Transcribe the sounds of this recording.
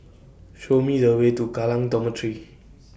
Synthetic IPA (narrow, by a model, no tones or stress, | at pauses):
ɕomiɾəwet̪ukalaŋd̪ɔmətʰɾi